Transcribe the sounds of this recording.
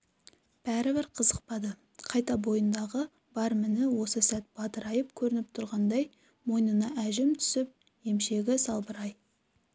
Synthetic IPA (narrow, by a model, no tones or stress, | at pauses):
b̥æɾɪbɪɾqʰəzəq̚pɑd̪ə | qʰɑjt̪ɑbo̞jənd̪ɑʁə | b̥ɑɾmɪnɪwo̞səsæt̪̚b̥ɑt̪əɾɑjəp̚kʲʰɵɾɪnɪp̚t̪ʰʊɾʁɑnd̪ɑj | mo̞jnənɑʔæʒɪmt̪ʰʏ̥sɪp̚ | e̞mʃe̞ɡʲɪsɑlˠbəɾɑj